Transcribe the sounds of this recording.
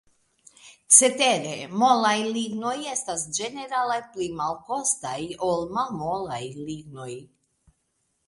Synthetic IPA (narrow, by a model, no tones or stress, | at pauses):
set̪eɾemolajliɡnojest̪asd͡ʒeneɾalajplimalko̞st̪ajolmamolajliɡnoj